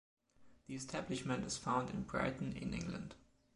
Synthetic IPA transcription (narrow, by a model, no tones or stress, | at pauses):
ðiɛstʰæblɪʃmə̃ntɨz̥fãʊ̃ndɪ̰̃nbɹa̰ɪtn̩ɪ̰̃nʔɪ̰̃ŋɡlə̰̃nd̥